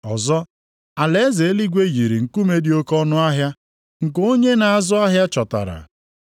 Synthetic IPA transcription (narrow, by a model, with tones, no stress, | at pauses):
ɔ˨zɔ˦ | a˨le˦ze˨˦li˦ɡʷe˦ɣi˨ɾi˨ŋ̩˨ku˦me˦dɪ˦o˦kɔ˦nʊ˦a˦ɦja˦ | ŋ̩˨ko˦ɲe˦na˨a˨zʊ˦a˦ɦja˦t͡ʃɔ˨ta̰˨ɾa̰˨